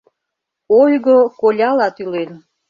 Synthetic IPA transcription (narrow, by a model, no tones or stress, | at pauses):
ojɣokolʲɑlɑt̪ylen